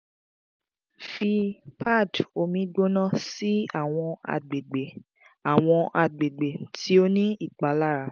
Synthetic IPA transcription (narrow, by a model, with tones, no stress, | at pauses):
fi˧pʰa˦˨do˧mĩ˨˧˦ɡ͡bo˦nã˦˨si˦a˦˨w̃ɔ̃˧a̰˧ɡ͡be˨ɡ͡be˨ | a˨w̃ɔ̃˧ʔa˧ɡ͡be˨ɡ͡be˨tʰi˨˦o˦nĩ˦i˦˨k͡pa˨˦la˦ɾa˨˦